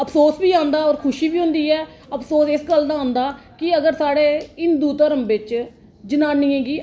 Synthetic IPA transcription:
əpʰsoːsbiːãːnd̪aːɔːɾkʰʊʃiːbiːɦʊ̃nd̪iːɛː | əpʰsoːsɪsɡəld̪aːãːnd̪aːkɪəɡəɾsaːɽeːɪnd̪uːt̪əɾəmbɪt͡ʃ | d͡ʒənãːniːɛ̃ːɡiː

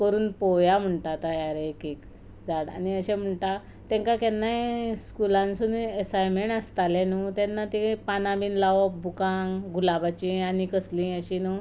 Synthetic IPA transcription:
kəɾuːnpɔjam̤əɳʈ̪at̪ajaɾekik | d͡zaɽa̰niəɕɛ̃m̤əɳʈ̪a | t̪ɛ̃ŋkakɛnːajskulãnsunesajmeɳast̪alenut̪ɛnːat̪ipanabiːnlaʋɔbukãŋɡulabat͡ɕĩanikəslĩəɕinu

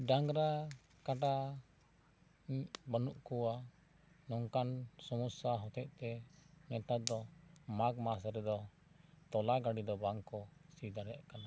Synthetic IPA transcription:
ɖaŋɡɾa | kaʈa | bənuʔkuwa | nɔŋkansɔmusaɦɔt̪ɛʔ̚t̪ɛnɛt̪ad̪ɔmaɡmasɾɛd̪ɔ | t̪ɔlaɡaɖid̪ɔbaŋkɔsid̪aɾɛʔkana

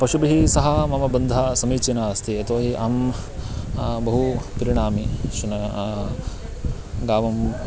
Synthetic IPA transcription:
pɐʃubɐɦisɐɦɐmɐmɐbɐnd̪ʱɐsɐmiːt͡ʃinaːst̪ʰiɐt̪oːɦiʔɐm | bɐɦupɐɾiɳ̃aːmiʃunɐ | ɡaːʋɐm

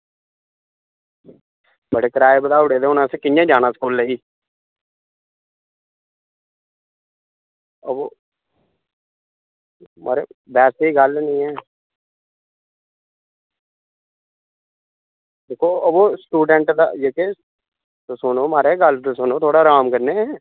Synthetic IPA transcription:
bəɽeːkəɾaːɪbd̪aːʊɽeːd̪eːʊnãːsekɪjãːd͡ʒaːnaːskuːlːəːiː | əboː | ma̰ːɾḛːʋɛːseːiːɡəlnəĩːɛː | d̪eːkʰoːəboːsʈuːɖəɳʈd̪a̰ːjeːke | t̪ʊsʊnoːmaːɾeːɡəlt̪ːsʊnõːt̪ʰoːɽaːɾaːmkəɾneːɛː

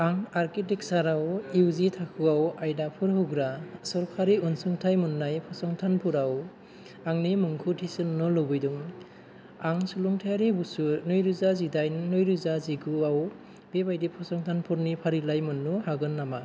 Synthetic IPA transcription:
aŋaɾkitiksaɾawiwzitʰakʰɯawajdapʰuɾɦuɡɾasɔɾkʰaɾiunsɯŋtʰajmunːajpʰɔsɔŋtʰanpʰuɾaw | aŋnimɯŋkʰutʰisɯnːɔlɔbɯjduŋ | aŋsuluŋtʰajaɾibusunɯjɾuzazidajnnɔjɾuzaziɡuaw | b̥ebajdipʰɔsɔŋtʰanpʰuɾnipʰaɾilajmɯnːuhaɡɯnːama

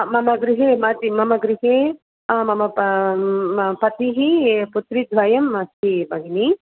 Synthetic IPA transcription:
mɐmɐɡɾiɦemɐt̪imɐmɐɡɾiɦe | mɐmɐ | pɐt̪iɦiput̪ɾid̪ʱʋɐjɐmɐsʰibɐɡini

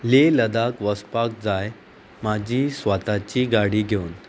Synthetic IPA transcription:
leləd̪akʋəspak̚d͡zaj | mad͡ʑʱiːsʋat̪at͡ɕiːɡaɽiːɡʱeun

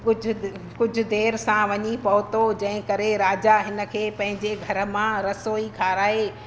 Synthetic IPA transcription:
kʊd͡ʑʱ | kʊd͡ʑʱʊ̆d̪eːɾsãʋɐɲipɐɦʊt̪od͡ʑɐ̃ɦɪ̃kɐɾeɾaːd͡ʑaɦɪnə̆kʰeːpɐ̃ɦɪ̃ɲd͡ʑeɡʱɐɾə̆mãɾɐsoːikʰaːɾaːɦeː

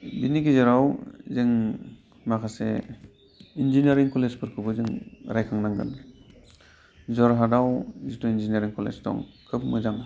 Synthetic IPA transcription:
binikizeɾawzɯŋ | makʰase | inzinaɾiŋkɔlezpʰɯɾkʰɯbɯzɯŋɾajkʰaŋnaŋɡɯ̰n | zɔɾɦadawzitɔinziniaɾiŋkʰɔlḛzdɔ̰ŋkʰɯp̚mɯzaŋ

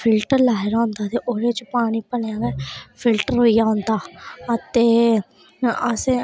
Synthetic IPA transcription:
pʰɪlʈəɾlaːɪɾãːnd̪aːt̪eːʔoːɾeːt͡ʃpaːɽ̃iːpəleãːɡɛːpʰɪlʈəɾɦoːijaːɦõnd̪aːət̪eː | əsẽ

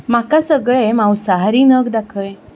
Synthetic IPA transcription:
makasəɡɭemawsəɦaɾiːnəɡd̪akʰəj

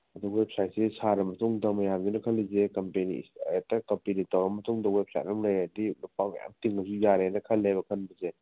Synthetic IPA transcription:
ɐduwep̚sajt̚sisaɾɐmɐtuŋdɐmɐjamdunɐkʰɐlːizekɐmpenḭsjatːɐkɐmpinitɐwɾɐmɐtuŋdɐwep̚sa̰jt̚ɐmlajɐdilupakmɐ̰ja̰mtiŋːɐs̬ujaɾeanɐkʰɐlːebɐkʰɐnbɐze

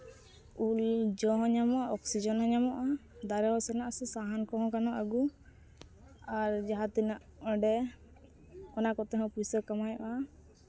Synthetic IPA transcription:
uld͡ʒɔɦɔ̃ɲamɔaɔksid͡ʒɔnɦɔɲamɔʔad̪aɾɛɦɔsɛnaʔasɛsaɦankɔɦɔ̃kanɔʔaɡu | aɾd͡ʒaɦat̪inaʔɔɖɛ | ɔnakɔt̪ɛɦɔ̃pusɔɾkamajʔa

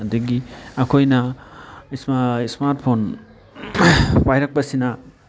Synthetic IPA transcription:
d̪eɡiakʰojna | ismaismaɾtpʰon | pajɾak̚basina

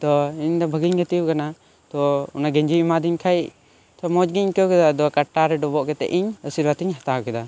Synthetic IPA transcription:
t̪ɔiɲd̪ɔbʱəɡiɲɡət̪ikana | t̪ɔunaɡɛɲd͡ʒimad̪iɲkʰajʔ | t̪ɔmɔd͡ʒɡiɲkəwkɛd̪ad̪ɔkaʈːaɾɛɖɔbɔʔkɛt̪ɛ̰ʔiɲəsiɾwat̪iɲɦat̪akɛd̪a

